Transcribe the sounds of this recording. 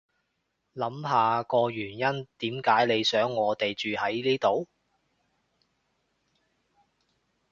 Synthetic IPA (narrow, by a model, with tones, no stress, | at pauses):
lɐ˨˥mɦaː˨kɔː˧jyː˨˩njɐ˥nt̪iː˨˥mkaː˨˥jle˨˧jsœː˨˥ŋːɔː˨˧t̪e˨jt͡ʃyː˨hɐ˨˥jliː˥t̪o˨w